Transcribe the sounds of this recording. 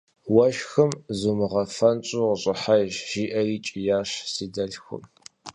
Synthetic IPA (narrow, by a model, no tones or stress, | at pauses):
wɐʃxɨmzumɨʁɐfɐnt͡ʃʼuːʁəɕʼɪħaʒʒiːʔɐriːt͡ʃʼɪjaːɕsiːdɐɮxʊ̰m